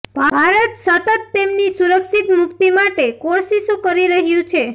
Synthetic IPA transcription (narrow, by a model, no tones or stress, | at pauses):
bʱabʱaɾət̪sət̪ət̪ːemnisuɾəkʃit̪mʊkt̪imaʈekoɾsiʃokəɾiɾəɦjũt͡ʃʰe